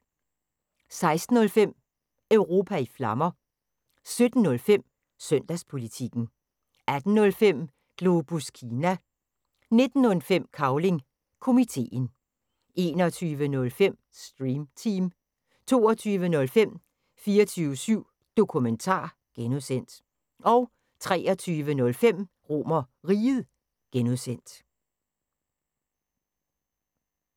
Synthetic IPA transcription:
sɑ̈ɪsd̥n̩ɔ̽lfem̰ | œʊʁo̝ːpʰæiflɑ̈mɐ | sød̥n̩ːɔ̽lfem̰ | sœn̰d̥æspʰo̝lit͡sʰiɡ̥n̩ | æd̥n̩nɔ̽lfem̰ | ɡ̥lo̝b̥uskʰiːnæ | ne̝d̥n̩ɔ̽lfem̰kʰɑ̈ʊle̝ŋ | kʰo̝mit͡sʰe̝̰ːn | ʔe̝ːnɒt͡sʰyːʋənɔ̽lfem̰ | sd̥ʁiːmt͡sʰiːm | t͡sʰo̝̰ːɒt͡sʰyːʋənɔ̽lfem̰ | fiːɐt͡sʰyːʊəsyʊ̰ | d̥o̝kʰument͡sʰɑ̰̈ː | ɡ̥enuðˠsen̰d̥ | ʔɒ̽ʊ | t͡sʰʁɛ̰ːɒt͡sʰyːʋənɔ̽lfem̰ | ʁo̰mɐʁiːð̩ˠ | ɡ̥enuðˠsen̰d̥

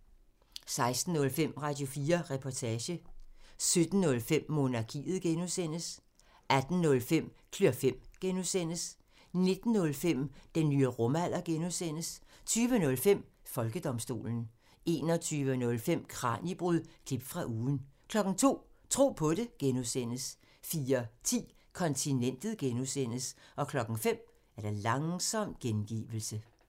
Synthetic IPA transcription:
sɑ̈ɪsd̥n̩ːɔ̽lfem̰ʁɑ̈d̥jo̝fiːɐʁɛpʰɒt͡sʰɛːɕəsød̥n̩nɔ̽lfem̰ːo̝nɑ̈kʰḭːð̩ˠɡ̥enuðˠsen̰əs | ʔæd̥n̩ːnɔ̽lfem̰ | kʰlyɐfem̰ɡ̥enusen̰əs | ne̝d̥n̩ːɔ̽lfem̰d̥enːyːəʁɔmæl̰ɐɡ̥enusen̰əst͡sʰyːʋənɔ̽lfem̰ | fɒ̽lɡ̥əd̥ɒ̽msd̥o̝̰ːln̩ | e̝ːnɒt͡sʰyːʋənɔ̽lfem̰kʰʁɑ̰̈ːnib̥ʁuð̰ˠkʰlib̥fʁɑ̈ʔuːn̩kʰlɒ̽ɡ̥ŋ̩t͡sʰo̝̰ːt͡sʰʁo̝̰ːpʰɒ̽ɾe̝ɡ̥enusen̰əs | fiːɐt͡sʰḭː | kʰɒ̽nt͡sʰinen̰d̥ð̩ˠɡ̥enusen̰əsʔɒ̽kʰlɒ̽ɡ̥ŋ̩fem̰ | æɐɾ̥ɑ̈lɑ̈ŋsɒ̽m̰ɡ̥enɡ̥ḭːʋl̩sə

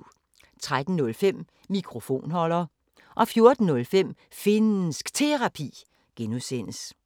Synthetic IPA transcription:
t͡sʰʁad̥n̩nɔ̽lfem̰ | mikʰʁo̝fo̝̰ːnɦɒ̽lɐː | ʔɒ̽fjo̝ɐd̥n̩nɔ̽lfem̰ | fe̝nnsɡ̥t͡sʰe̝ʁɑ̈pʰḭː | ɡ̥enuðˠsen̰əs

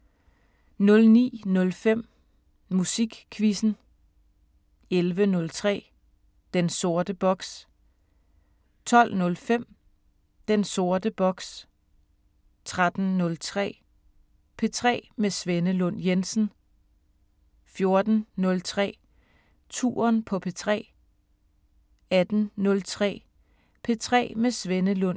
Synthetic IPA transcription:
nɔ̽lnḭːnɔ̽lfem̰ | musiɡ̥kʰʋisn̩ | elʋənɔ̽lt͡sʰʁɛ̰ː | d̥enso̝ɐd̥əb̥ɒ̽ɡ̥s | t͡sʰɒ̽l̰nɔ̽lfem̰ | d̥enso̝ɐd̥əb̥ɒ̽ɡ̥s | t͡sʰʁad̥n̩nɔ̽lt͡sʰʁɛ̰ː | pʰe̝t͡sʰʁɛ̰ːmesʋenəlɔ̽n̰jensn̩ | fjo̝ɐd̥n̩nɔ̽lt͡sʰʁɛ̰ː | t͡sʰṵːɐnpʰɒ̽pʰe̝t͡sʰʁɛ̰ː | æd̥n̩nɔ̽lt͡sʰʁɛ̰ː | pʰe̝t͡sʰʁɛ̰ːmesʋenəlɔ̽n

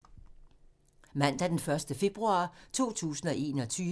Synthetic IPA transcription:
mæn̰d̥æd̥enfɶɐsd̥əfe̝b̥ʁuɑ̰̈ːt͡sʰo̝̰ːt͡sʰṵːsn̩ɒ̽ʔe̝̰ːnɒ̽t͡sʰyː

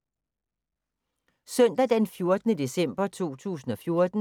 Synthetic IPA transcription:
sœn̰d̥æd̥ænfjo̝ɐd̥ənəd̥e̝sem̰b̥ɐt͡sʰo̝̰ːt͡sʰṵːs̬n̩ɒ̽fjo̝ɐd̥n̩

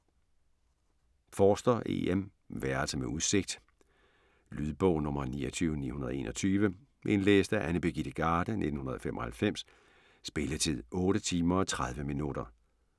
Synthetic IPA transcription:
fɒːsd̥ɐʔḛem | ʋæɐlsəmeʔuðˠse̝ɡ̥̚d̥ | lyðˠb̥ɔʊnɔ̽mɐnḭːɒt͡sʰyːʊnḭːhunɐðˠe̝̰ːnʔɒ̽t͡sʰyːʋə | ʔe̝nlḛːsd̥æʔænəb̥e̝ɡ̥id̥əɡ̥ɑ̈ːd̥ənʔe̝d̥n̩hunɐðˠfemʔɒ̽hælfem̰sː | b̥e̝lət͡sʰe̝ðˠɔ̽ːɾət͡sʰiːmɐɒ̽t͡sʰʁað̞ˠʋəminud̥ɐ

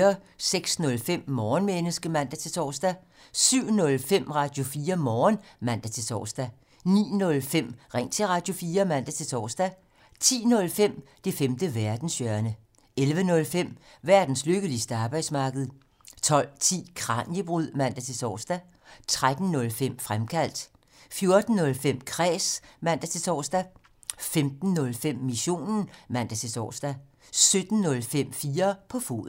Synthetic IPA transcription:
ɐseɡ̥snɔ̽lfem̰mɒːnmenəsɡ̥əmæn̰d̥æt͡sʰe̝t͡sʰɒ̰ːsd̥æ | syʊ̰nɔ̽lfem̰ʁɑ̈d̥jo̝fiːɐmɒːnmæn̰d̥æt͡sʰe̝sʰɒ̰ːsd̥æ | nḭːnɔ̽lfem̰ʁɛŋ̰t͡sʰe̝ʁɑ̈ːd̥jo̝fiːɐmæn̰d̥æt͡sʰe̝t͡sʰɒ̰ːsd̥æ | t͡sʰḭːnɔ̽lfem̰d̥e̝femd̥əʋæɐd̥n̩sjœɐnə | elʋənɔ̽lfem̰ | ʋæɐ̰d̥n̩sløɡ̥əlisd̥əɑ̈ːb̥ɑ̈ɪd̥smɑ̈ːɡ̥əð̞̩ˠ | t͡sʰɒ̽l̰t͡sʰḭːkʰʁɑ̈njəb̥ʁyð̰ˠmæn̰d̥æt͡sʰe̝sɒ̰ːsd̥æ | t͡sʰʁad̥n̩ːɔ̽lfem̰fʁamkʰæl̰d̥ | fjo̝ɐd̥n̩ːɔ̽lfem̰kʰʁɛ̰ːsmæn̰d̥æt͡sʰe̝sɒ̰ːsd̥æ | femd̥n̩ːɔ̽lfem̰ːiɕo̝̰ːnn̩mæn̰d̥æt͡sʰe̝sɒ̰ːsd̥æ | sød̥n̩ːɔ̽lfem̰fiːɐpʰɒ̽fo̝̰ːð̩ˠ

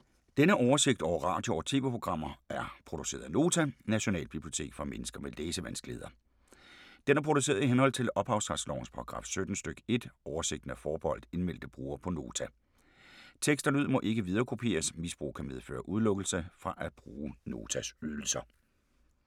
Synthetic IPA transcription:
d̥enəʔɒʊɐse̝ɡ̥̚d̥ɒʊɐʁɑ̰̈ːd̥joɒt͡sʰe̝ːʋe̝pʰʁo̝ɡ̥ʁɑ̈m̰ɐæɐpʰʁo̝d̥u̥se̝̰ːɐðˠno̝ːt͡sʰænæɕo̝nɛ̰ːlb̥ib̥lio̝̥t͡sʰe̝̰ːɡ̥fʁɑ̈menəsɡ̥ɐmeleːsəʋænsɡ̥lḛːð̞ˠɐ | d̥enæɐpʰʁo̝ɾ̥use̝̰ːɐðˠiɦenhɒ̽l̰t͡sʰe̝lɒ̽b̥hɑ̈ʊsd̥ʁɑ̈slɒ̰ʊ̰ŋ̩spʰɑ̈ʁɑ̈ɡ̥ʁɑ̰̈ːfsød̥n̩sd̥øɡ̥e̝d̥ʔɒʊɐse̝ɡ̥d̥n̩æfɒːb̥ɒ̽l̰d̥e̝nmel̰d̥əb̥ʁṵːɐpʰɒ̽no̝ːt͡sʰæ | t͡sʰeɡ̥sd̥ɐnuð̰ˠmɒ̽ʔe̝ɡ̥əʋið̞ˠɐːkʰo̝pʰe̝̰ːɐsmisb̥ʁṵːkʰæmeðˠfø̰ːɐʔuð̞ˠlɔɡ̥l̩səfʁɑ̈ʔæ̥b̥ʁuːno̝̰ːt͡sʰæsyðˠl̩sɐ

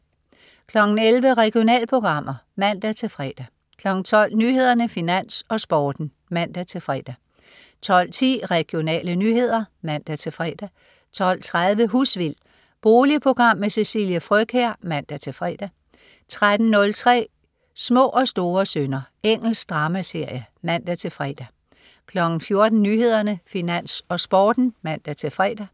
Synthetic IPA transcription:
kʰlɒ̽ɡ̥n̩elʋəʁɛɡ̥io̝nɛ̰ːlpʰo̝ɡ̥ʁɑ̈m̰ɐmæn̰d̥æt͡sʰe̝lfʁɛːd̥æ | kʰlɒ̽ɡ̥n̩t͡sʰɒ̽l̰nyːhe̝ð̞̰ˠɐnəfinæn̰sɒ̽sb̥ɒːd̥n̩ | mæn̰d̥æt͡sʰe̝fʁɛ̰d̥æ | t͡sʰɒ̽l̰t͡sʰḭːʁɛɡ̥jo̝nɛ̰ːlənyːɦe̝ð̞̰ˠɐmæn̰d̥æt͡sʰe̝fʁɛːd̥æ | t͡sʰɒ̽l̰t͡sʰʁaðˠʋəɦusʋil̰ | b̥o̝ːliəpʰo̝ɡ̥ʁɑ̈m̰ːesesiːljəfʁœkʰeɐ̰mæn̰d̥æt͡sʰe̝fʁɛd̥æ | t͡sʰʁad̥n̩nɔ̽lt͡sʰʁɛ̰ː | smɔ̰̽ːʔɒ̽sd̥o̝ːɐsønɐ | eŋ̰l̩sd̥ʁɑ̈ːmæse̝ɐ̰jəmæn̰d̥æt͡sʰe̝lfʁɛ̰d̥æ | kʰlɒ̽ɡ̥n̩fjo̝ɐd̥n̩nyːɦe̝ð̞̰ˠɐnəfinæn̰sɒ̽sb̥ɒːd̥n̩mæn̰d̥æt͡sʰe̝fʁɛ̰ːd̥æ

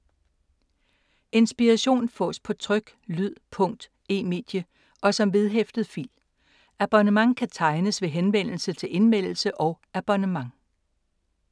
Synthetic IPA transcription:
e̝nsb̥iʁæɕo̝̰ːnfɒ̰̽ːspʰɒ̽t͡sʰʁœɡ̥ | lyð̰ˠpʰɔ̽ŋ̰d̥ | e̝̰ːme̝̰ːd̥jə | ʔɒ̽sɒ̽mʋe̝ð̞ˠɦefd̥əð̩ˠfḭl | æb̥ɒnəmɑ̈ŋkʰæt͡sʰɑ̈ɪnəsʋe̝ɦenʋen̰l̩sət͡sʰe̝le̝nmen̰l̩səʔɒ̽ʊ | æb̥ɒnəmɑ̈ŋ

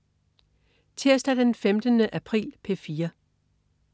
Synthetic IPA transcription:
t͡sʰeɐsd̥æd̥enfemd̥ənəʔæpʰʁḭːlpʰefiːɐ

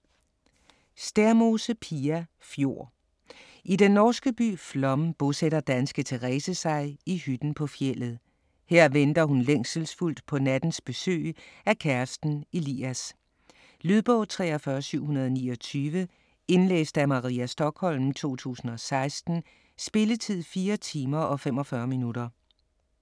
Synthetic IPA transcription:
sd̥æɐmo̝səpʰiæ | fjo̝ɐ̰ | idenːɒːsɡ̥əb̥y̰ːflɒmb̥ɔseɾɐd̥ænsɡ̥ət͡sʰe̝ʁɛːsəsɑ̈ɪihyd̥n̩pʰɒ̽fjel̰ð̞̩ˠ | heɐ̰ʋend̥ɐɦunleŋ̰səl̩sful̰d̥pʰɒ̽næd̥n̩sb̥e̝sø̰ːækʰæɐsd̥n̩ilḭːæs | lyðˠb̥ɔ̽ʊt͡sʰʁɛ̰ːɐfɶːɐsyʊ̰ɦunɐðˠɒnḭːɒ̽t͡sʰyːʋə | e̝nlḛːsd̥æmɑ̈ʁiːæsd̥ɒ̽ɡ̥hɒ̽lmt͡sʰo̝̰ːt͡sʰṵːsn̩ɒ̽sɑ̈ɪsd̥n̩ | sb̥e̝lət͡sʰið̞̰ˠfiːɐt͡sʰiːmɐʔɒ̽femɒ̽fɶːɐminud̥ɐ

